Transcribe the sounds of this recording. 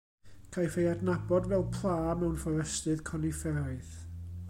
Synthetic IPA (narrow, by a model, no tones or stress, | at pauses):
kʰajfejadnabɔdvɛlˠpʰlˠaːmɛwnfɔɾəstɨðkʰɔnifɛɾaθ